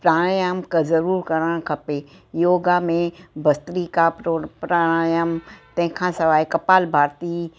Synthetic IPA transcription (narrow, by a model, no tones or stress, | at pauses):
pɾãːajəmkezɐɾuːɾkɐɾəɽ̃kʰɐpe | joːɡamẽbʱɐst̪ɾikappɾãːajəmt̪ɐ̃ɦɪ̃kʰãsɐʋaːikɐpaːlbʱaːɾt̪i